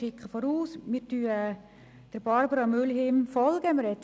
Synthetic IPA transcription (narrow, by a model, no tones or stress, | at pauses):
ɪkχəfɔɾuːsmɪːɾtyːə | d̥əɾb̥ɑɾbəɾɑmʏlɦɪmfɔlɡ̥əmɪɾhɛt̪